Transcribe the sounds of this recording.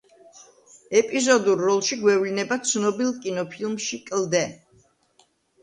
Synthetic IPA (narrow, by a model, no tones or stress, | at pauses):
ɛpʼizɔd̪uɾːɔlˠʃiɡwɛvlinɛbat̪sʰnɔbilˠkʼinɔpʰilˠmʃikʼld̪ɛ